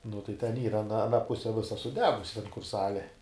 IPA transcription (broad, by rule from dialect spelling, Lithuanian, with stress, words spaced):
nʊ tɐɪ tʲɛn ˈiːrɐ ɐˈnɐ ɐˈnɐ ˈpʊsʲɛ ˈʋʲɪsɐ sʊˈdʲæːɡʊsʲɪ tʲɛn kʊr ˈsɑːlʲeː